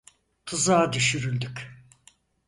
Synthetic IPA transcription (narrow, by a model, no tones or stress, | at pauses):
t̪ʰɯzaːd̪yʃyɾylʲd̪ykʲ